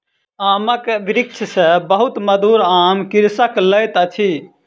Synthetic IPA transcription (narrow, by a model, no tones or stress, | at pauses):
aməkʋiɾik̚t͡ʃʰsəbəɦut̪məd̪uɾamkiɾsəkləjt̪ət͡ʃʰi